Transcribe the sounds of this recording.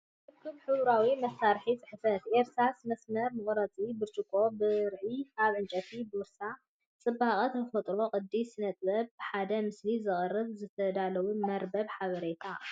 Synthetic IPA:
ħɨkʰːɨmħɨβɾawimɐsːaɾħit͡sʼɨħɨfɐt̪ʔeɾsasmɐsmɐɾmɨχʼɾɐt͡sʼibɨɾt͡ʃʼɨkʼo̞bɨɾʕiaβʕɨnt͡ʃʼɐt̪ʰibɨɾsa | t͡sʼɨbːaχʼɐt̪nɨfɐt̪ʼɾo̞qʼɨd̪isɨnɐt̪ʼbɐbɨħad̪ɐmɨslizɨχʼɨrːɨβzɨt̪ʰɐd̪alɐwumɐɾbɐβħaβɐɾet̪ʰa

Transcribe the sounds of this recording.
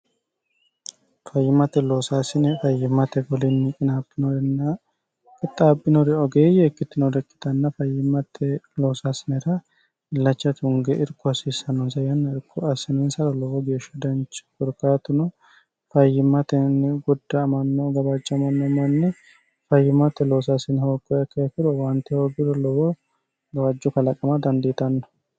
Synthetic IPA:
fɐjːɪmːɐt̪ɛloːsaːsɪnɛfɐjɪmːɐt̪ɛɡɔlɪnːɪkʼɪnaːbːɪnɔɾɛnːɐ | kʼɪt̪ʼːaːbʼːɪnɔɾɛɔɡeːjɛːkːɪt̪ːɪnod̪ɛkʼːɪ̥t̪ɐnːɐfɐjːɪmɐt̪ʰːɛloːsasɪnɛɾɐ | ɪlːɐt͡ʃːɐt̪ɪhʊŋɡɛʔɪɾkʼːɔɐsisɐnɔnsɐjɐnːɐɪɾkʰːɔɐsɪnɛnsɐɾɐlɔwɔɡeːʃːɐd̪ɐnt͡ʃɪ̥kɔɾkaːt̪ʊnʊ | fɐjːɪmːɐt̪ɛnɪɡɔd̪ːɐmɐnːɔɡɐbat͡ʃʼːɐmɐnːɔmɐnːɪ | fɐjːɪmɐt̪ːɛloːsasɪnhoːkʼːɔjɐkːɐɐkɪɾɔwɐnt̪ːɛhoːɡɪɾɔlɔwɔ | ɡɐbad͡ʒːɔkɐlɐkʼɐmad̪ɐnd̪et̪ɐnːɔ̥

